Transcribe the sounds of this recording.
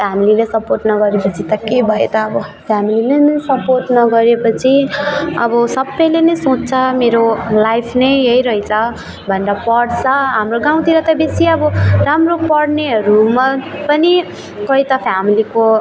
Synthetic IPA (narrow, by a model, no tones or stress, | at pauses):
pʰjamililesʌporʈnʌɡʌɾepʌt͡sʰit̪ʌkebʱʌet̪ʌːbʌpʰjamililenʌjsʌporʈnʌɡʌɾepʌt͡sʰiʌ̰bʌsʌbːʌjlenʌjsõt͡st͡sʰʌmeɾolajpʰnʌjʌjɾʌɦit͡sʰʌ | bʱʌndapʌɽt͡sʰʌɦamroɡãw̃t̪iɾʌt̪ʌbesiʌbʌramropʌɽneɦʌɾumapʌni | kʌjt̪ʌpʰjamiliko